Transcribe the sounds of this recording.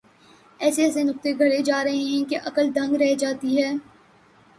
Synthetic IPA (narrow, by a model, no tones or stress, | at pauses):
ɛːsesenʊk̚t̪eɡʱɐɽed͡ʒaːɾɐɦeɦɛ̃keʔɐkəld̪ʱɐ̃ŋɡɾɛɦd͡ʒaːt̪iɦɛː